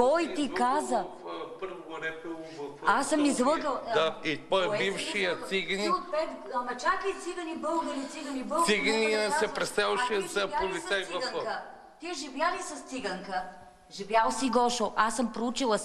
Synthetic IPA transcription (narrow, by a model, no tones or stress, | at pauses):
kɔitt̪ikazəpəɾvoɡoɾɛpɛvasəmizlˠəɡəlˠd̪ait̪ɔjbifʃijɐt̪siɡniot̪̚pɛt̪ɐmɐt͡ʃakəit̪siɡənibɤlˠɡəɾit̪siɡənibəɡsiɡnijəsɛpɾɛst̪ɛlˠʃizɐaovisɛɐɡŋə | t̪iɛʒivjalisɐst̪siɡəŋkə | ʒivjalˠsiɡɔʃoʔasəmpɾout͡ʃilˠə